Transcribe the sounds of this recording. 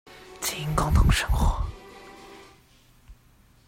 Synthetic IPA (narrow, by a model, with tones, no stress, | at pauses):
t͡sʰi˧˩i˧˥ŋkɑ˥ŋt̪ʰʊ˧˥ŋʂɤ˥ŋxwɔ˧˥˦